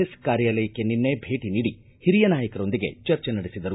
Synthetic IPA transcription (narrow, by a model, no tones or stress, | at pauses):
eskaːɾjaːlɐjɐkːeninːebʱe̞ːʈiniːɽi | hiɾijɐnaːjɐkɐɾo̞nd̪iɡe̞̰t͡ʃɐɾt͡ʃenɐɽesid̪ɐɾu